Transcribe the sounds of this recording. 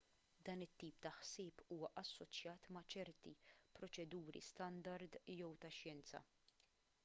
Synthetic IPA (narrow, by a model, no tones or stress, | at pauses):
d̪ɐːnɪt̪ːiːp̚t̪ɐħsɪːpuːwɐʔɐsːɔt͡ʃjɐːt̪mɐt͡ʃɛɾt̪ipɾɔt͡ʃɛd̪uːɾḭst̪ɐnd̪ɐɾd̪jɔwt̪ɐʃjɛnt͡sɐ̰